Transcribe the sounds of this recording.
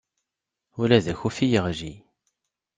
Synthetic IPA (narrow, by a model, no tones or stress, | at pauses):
ʊlæðæçufijəʁʒi